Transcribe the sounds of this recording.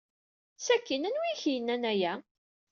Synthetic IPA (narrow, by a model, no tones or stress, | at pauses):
sækːinænwijçijənːænæjæ